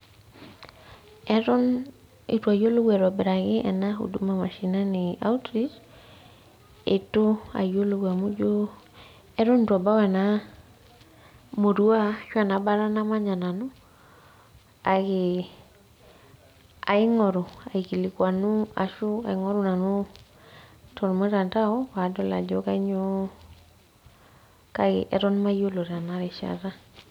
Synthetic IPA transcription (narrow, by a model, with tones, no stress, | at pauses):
ɛɾɔ˦n | ḛ˨twa˨jo˦lo˦ɡɛ˨ɾɔ˨bɪ˨ɾa˨ɣɪ˦ʔɛ̰na˦ɦṵ˨du˦ma˨ma˨ʃi˨na˦nɪa̰˦wtɾi˦s | e˨to˦a̰˨jo˦lo˦ɡa˨mu˦d͡ʒo˦ | ɛ˦ɾɔ˦n˨twa˨ba˦wɛ˨na˦ | mo˨du˦a˦ʃwa˨na˨ba˦ɾa˦na˦ma˦ɲa˨na˨nu˦ | a˨ɡi˨ | a̰˨ɪ˦ŋɔ˨ɾu˨a˨i˨ki˨li˨kwa˨nu˦a̰˨ʃu˦a̰˨i˨˦ŋɔ˦ɾu˦na˨nu˦ | tʰɔ˨ɾmə˦ɾa˨nta˦ɔ˦wa˨˦dɔ˦la̰˨ɟɔ˦ka˦ɲo˦ | ka˦kɪ̰˨ʔɛ˨ɾɔ˦nma˦jo˦lo˨ɾa˨na˦ɾɛ˨ʃa̰˨ɾa˦